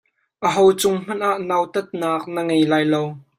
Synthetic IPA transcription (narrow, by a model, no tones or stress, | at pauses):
ʔəɦowt͡sʊŋm̥ɐnʔaʔnawt̪ɐt̪̚naːk̚nəŋejlaːjlow